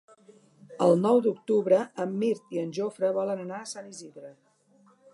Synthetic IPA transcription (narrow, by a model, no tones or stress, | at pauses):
əlˠnɔwd̪uk̚t̪uβɾəəmːiɾt̪iənʲʒofɾəβɔlənənaəsaniziðɾə